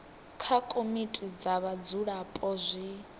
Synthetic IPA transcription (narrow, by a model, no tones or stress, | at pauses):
kʰakʼomitʼid͡zaβad͡zuɺapʼɔzʷi